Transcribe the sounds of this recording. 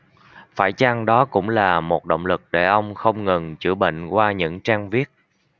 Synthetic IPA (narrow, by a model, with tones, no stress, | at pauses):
faː˧˩jt͡ɕa˧ŋɗɔ˨˦kʊ̰˧˥ŋ͡mlaː˨˩mo˨˩t̚ɗo̰˧˨wŋ͡mlɨ˨˩k̚ɗe˧˩ʔə˧wŋ͡mxə˧wŋ͡mŋɨ˨˩nt͡ɕɨ̰˧˩ɓḛ˧˨ŋ̟kwaː˧ɲɨ̰˧˥ŋt͡ɕaː˧ŋvi˦˥ət̚